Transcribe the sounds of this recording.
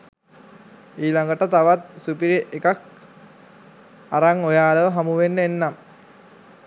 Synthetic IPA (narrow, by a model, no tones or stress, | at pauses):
iːlaŋɡəʈət̪aʋat̪̚supiɾeʔekak | aɾaŋojaːləʋəɦamuʋenːəenːam